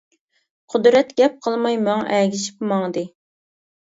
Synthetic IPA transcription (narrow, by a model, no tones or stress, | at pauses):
qʰʊd̪ɾɛt̪ɡʲɛp̚qʰəlˠmɑjmɑŋ̰ʔɛɡʲiʃi̥pmɑŋd̪ɨ